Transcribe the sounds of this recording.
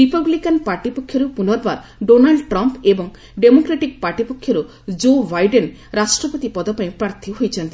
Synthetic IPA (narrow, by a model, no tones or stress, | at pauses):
ɾipablikanpaɾʈipokʰːjɔɾupunɔɾbaɾ | ɖonaɭɖʈɾɔmpebɔŋ | ɖemokɾeʈik̚paɾʈipokʰːjɔɾu | d͡ʒobajɖen | ɾasʈɾɔpot̪ipɔd̪ɔpaĩpɾaɾt̪ʰiɦojt͡ʃʰɔnt̪i